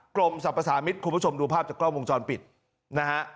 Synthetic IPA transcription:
kɾo˧msa˨˩pːa˧saː˩˦mi˦˥t̪̚kʰu˧mpʰo˧mduː˧pʰaː˥˩p̚t͡ɕaː˨˩kɾɔː˥˩mwo˧ŋt͡ɕɔː˧npi˨˩t̪̚ | na˦˥kʰa˦˥ʔ

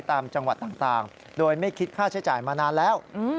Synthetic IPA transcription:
jt̪aː˧mt͡ɕa˧ŋwa˨˩t̪ːaː˨˩ŋt̪aː˨˩ŋ | doː˧jma˥˩jkʰi˦˥t̪̚kʰaː˥˩t͡ɕʰa˦˥jt͡ɕaː˨˩jmaː˧naː˧nlɛː˦˥˩wʔɯː˧

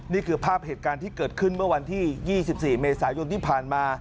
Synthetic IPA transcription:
niː˥˩kʰɯː˧pʰaː˥˩p̚heː˨˩t̪̚kaː˧nt̪ʰiː˥˩kɤː˨˩t̪̚kʰɯ˥˩nmɯ˥˩ɐwa˧nt̪ʰiː˥˩jiː˥˩si˨˩p̚siː˨˩meː˧saː˩˦jo˧nt̪ʰiː˥˩pʰaː˨˩nmaː˧

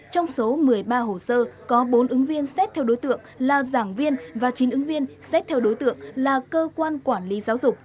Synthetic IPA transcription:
t͡ɕɔ˧wŋ͡mso˨˦mɨ˨˩əjɓaː˧ɦo˨˩səː˧kɔ˨˦ɓo˨˦nʔɨ˨˦ŋvi˧ənsɛ˦˥t̚t̪ʰɛ˧wɗo˨˦jt̪ɨ̰˧˨əŋlaː˨˩zaː˧˩ŋvi˧ənvaː˨˩t͡ɕi˨˦nʔɨ˨˦ŋvi˧ənsɛ˦˥t̚t̪ʰɛ˧wɗo˨˦jt̪ɨ̰˧˨əŋlaː˨˩kəː˧kwaː˧nkwaː˧˩nli˨˦zaː˨˦wzʊ˨˩k͡p̚

